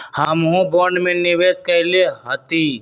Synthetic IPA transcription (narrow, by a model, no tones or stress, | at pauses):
hamɦõbɔːɳɖmẽnɪʋeːskəɦleɦət̪iː